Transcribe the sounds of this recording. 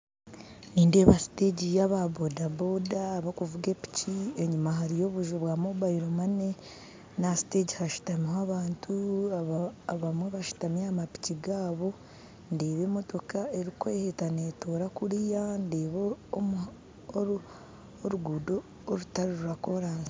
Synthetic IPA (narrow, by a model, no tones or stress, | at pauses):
niːnde̞ːβasi̥te̞ːɟijaβabodabo̞daːβakuvuɡe̞pi̥cie̞ɲumaɦaɾijo̞ːβuʒuβwamobaiɾomane | nasi̥te̞ːɟihaʃu̥tamihaβaːntʰuaaaβamwe̞βaʃu̥tamjamapi̥ciɡaːβo̞ | nde̞ːβe̞ːmo̞to̞kae̞ɾikweːhetane̞toːɾakuɾijande̞ːβoomu | o | oɾuɡuːdo̞ː | ɾutaɾuɾuɾako̞ɾaːnzi̥